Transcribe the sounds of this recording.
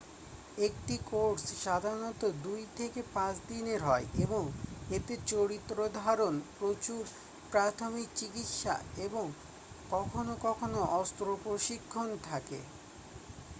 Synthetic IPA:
ek̚ʈikoɾsʃad̪ʱaɾnɔt̪od̪ujt̪ʰekepãt͡ɕd̪ineɾɦɔeeboŋet̪et͡ɕoɾit̪ːɾod̪ʱaɾonpɾot͡ɕuɾ | pɾat̪ʰomik̚t͡ɕikit̪ʃa̰eboŋ | kɔkʰonokɔkʰonoʔɔst̪ɾopɾoʃikʰːont̪ʰakḛ

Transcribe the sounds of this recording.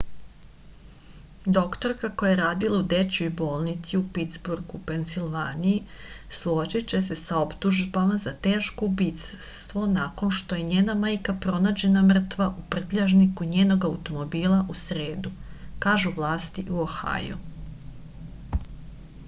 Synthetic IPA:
d̪o̞kt̪o̞ɾkakojeɾaːd̪ilaud̪et͡ɕujbo̞ːlˠnit̪siupit̪zbuɾɡupensilʋaːnijislˠot͡ʃit͡ɕe̞se̞sao̞pt̪uʒbamazat̪e̞ːʃko̞ubiːt̪sst̪ʋo̞nako̞nʃt̪o̞je̞ɲe̞ːnamaːjkapɾo̞naːd͡ʑe̞namr̩t̪ʋaʔupr̩t̪ʎaʒnikuɲeːno̞ɡaut̪o̞mo̞biːlˠaʔusɾe̞ːd̪ukaːʒuʋlˠaːst̪iʔuoxa̰ːjṵ

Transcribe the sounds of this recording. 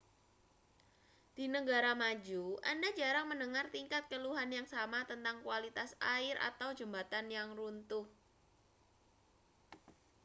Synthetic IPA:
d̪̥i̤nəɡaɾamad͡ʒuʔa̰ndad͡ʒaɾaŋmənəŋart̪iŋkat̪̚kəluɦanjaŋsamat̪ənt̪aŋkualit̪asaɪɾʔa̰t̪awd͡ʒəmbat̪anjaŋrunt̪ʊh

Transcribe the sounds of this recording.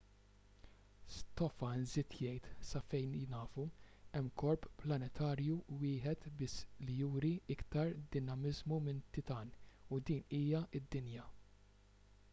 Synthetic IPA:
st̪ɔfɐnzɪt̪ʰjɛjt̪sɐfɛjnjnɐːfuɛmːkɔɾppːlɐnɛt̪ʰɐːɾjuwɪːħɛt̪bɪslijuːɾiɪkt̪ɐɾd̪ɪnɐmɪzmumɪnt̪ɪt̪ɐːnud̪iːniːjɐɪd̪ːɪnjɐ

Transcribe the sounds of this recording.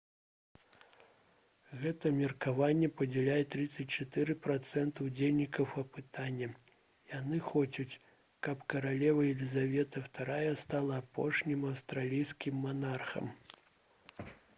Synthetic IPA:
ɣɛt̪ɐmʲɛrkavanʲːɛpɐd͡zʲɛlʲajɛt̪ɾɨt̪sɐt͡sʲt͡ʂat̪ɨɾɨpɾat̪sɛnt̪ɐwd͡zʲelʲnʲikɐwɐpɨt̪anʲːɐ | janɨxɔt͡sʲut͡sʲ | kɐpkɐɾalʲɛvɐjɛlʲizavʲɛt̪ɐwt̪aɾajɐst̪alˠɐːpʰɔʂnʲimɐwst̪ɾalʲijskʲimːanarxɐ̰m

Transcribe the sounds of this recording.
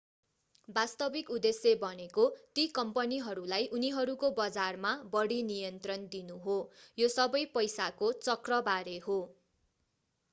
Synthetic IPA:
bast̪ʌbikud̪esjebʌnekot̪ikʌmpʌniɦʌɾulajʔuniɦʌɾukobʌd͡zarmabʌɽinijʌnt̪rʌnd̪inuɦojosʌbʌjpʌjsakot͡sʌkrʌbaɾeɦo

